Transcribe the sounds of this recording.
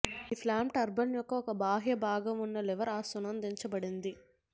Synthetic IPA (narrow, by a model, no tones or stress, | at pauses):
iːpʰlaːmʈɐɾbɐnjɔkːɐɔkɐbʱaːɦjɐbʱaːɡɐmunːɐlɛʋɐɾaːsunɐnd̪eɲt͡ʃɐbɐɽind̪i